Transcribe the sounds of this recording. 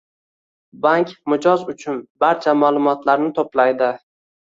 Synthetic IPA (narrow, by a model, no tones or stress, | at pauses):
baŋkʲmʊd͡ʒɒzʊt͡ʃʰʊnbaɾt͡ʃʰamaːlˠʊmɒt̪ʰlaɾnɪt̪ʰoplajd̪ɪ